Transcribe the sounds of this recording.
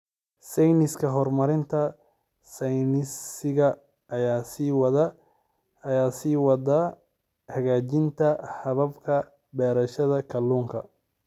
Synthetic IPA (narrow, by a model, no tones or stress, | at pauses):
sɛjnɪskʰɐɦɔrmɐɾɪnt̪ʰɐ | sɛjnɪsɪɣɐ | ʔːjaːsiːwɐðɐː | jaːsiːwɑdɐ | hɐɣaːt͡ʃɪnt̪ʰɐhɐβɐbkʰɐ | bɛːɾɐʃɐðɐkʰɐlːuːŋkʰɐ̰